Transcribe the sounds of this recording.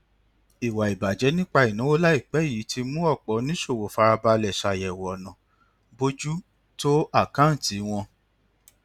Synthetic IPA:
i˨wa˨i˨ba˨d͡ʒɛ˨˦nĩ˦k͡pa˧i˨nũ˨˦wo˦la˦i˦˨k͡pɛ˨˦i˦˨ji˨˦tʰi˧mũ˦ɔ˦˨k͡pɔ˨˦nĩ˦ʃo˦˨wo˨fa˧ɾa˧ba˧lɛ˨ʃa˨jɛ˨wɔ˨nã˨ | bo˧d͡ʒu˦ | to˦a˦˨kã˦n̩˨ti˨˦w̃ɔ̃˧

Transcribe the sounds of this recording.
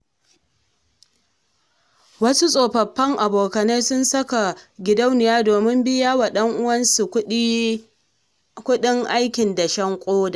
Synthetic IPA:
wɐ˦su˦sʼoː˨ɸɐ˨ɸːɐ˦ŋʔa˨boː˨kɐ˨na˦sʊ˦nsɐ˦ka˨ɡʲɪ˨dɐ˦wnɪ˨jaː˦doː˨mɪ˦mbɪ˦jaː˦wa˨ɗɐ˦ŋʔʊ˦wɐ˦nsu˨˦ | kʷʊ˦ɗɪ˦ŋʔa˦jkʲɪ˨nda˨ʃɐ˦ŋkʷʼoː˦da˨ʔ

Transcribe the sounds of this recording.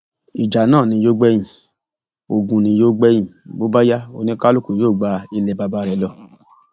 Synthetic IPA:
i˨d͡ʒa˨˦nãː˦˨nĩ˧˦jo˦ɡ͡bɛ˧˦jĩ˨ | o˧˨ɡũ˧nĩ˧˦jo˦ɡ͡bɛ˧˦j̃ĩ˨bo˨˦ba˦ja˦o˧nĩ˧˦ka˦lu˦˨ku˨joː˦˨ɡ͡ba˧i˧lɛ˧ba˧ba˧˨ɾɛ˨˦lɔ˧˨

